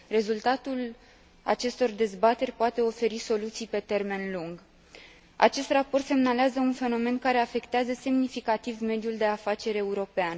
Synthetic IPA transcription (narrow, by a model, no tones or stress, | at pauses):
re̞zult̪at̪ul | a̰t͡ʃe̞st̪o̞rd̪e̞zbat̪e̞rʲpoat̪e̞o̞fe̞ɾiso̞lut̪sijpe̞t̪e̞rme̞nluŋɡ | a̰t͡ʃe̞st̪rapo̞rt̪se̞mnaleazəunfe̞no̞me̞nkaɾe̞afe̞kt̪eazəse̞mnifikat̪ivme̞d̪juld̪e̞afat͡ʃe̞ɾe̞uɾo̞pean